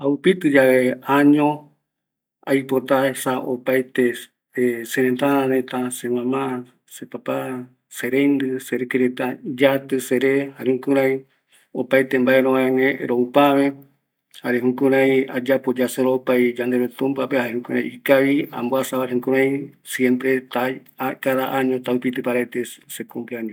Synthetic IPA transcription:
aupit̪ɨd͡ʒaβeaɲõ | ajpot̪asaʔopajt̪e | seɾẽnt̪aɾãɾẽt̪asemãmã | sepapa | seɾejnd̪ɨseɾekeɾet̪ad͡ʒat̪ɨseɾehaɾehũkũɾãĩ | opajt̪embaeɾõβãẽnẽɾoupaβe | haɾeɦũkũɾãj̃a̰d͡ʒapod͡ʒaseɾopajd͡ʒand̪eɾot̪ũmpapehaehũkuɾãj̃ikaβiã̰mboasaβaɾehũkũɾãĩsjempɾet̪aakaðaʔaɲõt̪awpit̪ɨpaɾaet̪esekomplaɲo

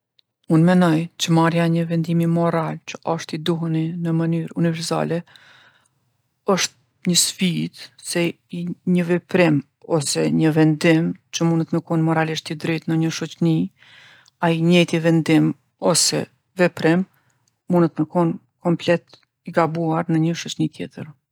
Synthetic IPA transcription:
unmɛnɔjt͡ʃəmaɾjaɲəvɛnd̪imimɔɾalt͡ʃə̥ʔɔʃt̪id̪uɦəninəmənyɾunivɛɾsa̰lɛ | ɔʃt̪̚ | ɲəsfid̪sɛ | iɲəvɛpɾim | ɔsɛɲəvɛnd̪imt͡ʃəmunət̪məkɔnmɔɾaliʃt̪id̪ɾɛt̪nəɲəʃɔt͡ʃni | aiɲɛjt̪ivɛnd̪im | ɔsɛ̰ | vɛpɾɛm | munət̪məkɔn | kɔmplɛt̪ | iɡabuaɾnəɲəʃɔt͡ʃnit̪jɛt̪əɾ

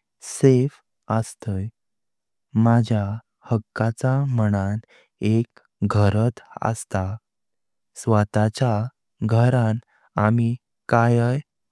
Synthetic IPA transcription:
sef | əst̪əj | mad͡ʑʱja | həkːat͡saməɽan | ek | ɡʱəɾət̪ə̰st̪a | sʋət̪at͡ɕja | ɡʱəɾan | ami | kajəj

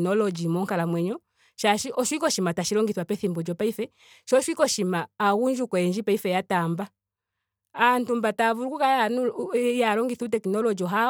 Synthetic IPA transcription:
nɔlɔd͡ʒimɔŋkalamwɛɲɔ | ʃaʃiʔɔʃwikɔʃimataʃiɾɔŋɡiθwapɛθimbɔd͡ʒɔpaifɛ | ʃɔʃwikɔʃimaːɣuɲd͡ʒukɔɛɲd͡ʒipaifɛjatamba | antumbatavuɾukukajanujaɾɔŋɡiθutɛkinɔlɔd͡ʒiɔɦa

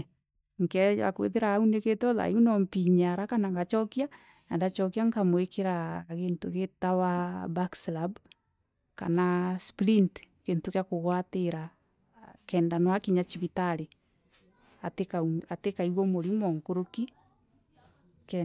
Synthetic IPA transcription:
ŋkɛa̰kwḛðeɾaːuneketɔða̰junɔmpiɲaɾakanaŋɡat͡ʃɔkia | andat͡ʃɔkiaŋkamwekeɾaɣentoɣetawabakslab | ka̰nasplintkeːntokjakoɣwateɾa | kɛːndanwakiɲat͡ʃiβitaɾe | atekaatekaiɣomoɾimɔŋkoɾoki | k

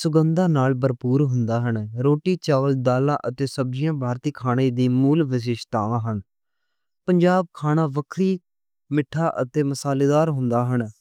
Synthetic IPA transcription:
sʊɡənd̪ãːnaːlbəɾpuːɾɦʊnd̪aːɦənɾoːʈiːt͡ʃaːʋəld̪aːlãːʔət̪eːsəb̚d͡ʒɪjãːbʱaːɾt̪iːkʰaːɽ̃eːd̪iːmuːlʋɪʃ̬ɪʃt̪aːʋãːɦən | pəɲd͡ʒaːb̚kʰaːɽ̃ãːʋəkʰɾiː | mɪʈʰːaːʔət̪eːməsaːleːd̪aːɾɦʊnd̪aːɦəɳ

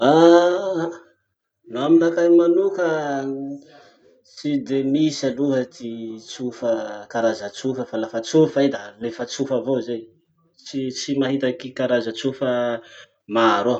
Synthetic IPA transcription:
a | nuaminakajmanukə | t͡sid̪emisaluɦət̪it͡sufəkaɾazət͡sufəfalafət͡sufajd̪alefət͡sufəvozej | t͡ʃit͡simaɦit̪akikaɾazət͡sufə | maɾo

